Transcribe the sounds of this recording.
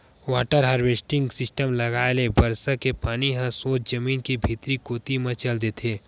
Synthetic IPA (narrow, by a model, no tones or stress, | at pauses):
ʋaːʈəɾɦəɾʋeːsʈɪ̃ŋɡsɪsʈəmlɐɡaːelebɐɾsəkepaːniɦə̃soːt͡ʃd͡ʒɐmiːnkibʱiːt̪ɾikoːt̪imɐ̃t͡ʃɐld̪eːt̪ʰeː